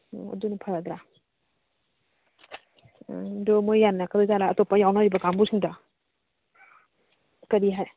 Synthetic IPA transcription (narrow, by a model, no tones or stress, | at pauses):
a̰dunpʰaɾad̪ɾa | dɔmojːanakadizaɾaːtɔpajawnaɾibaɡambusuŋda | kadiɦaj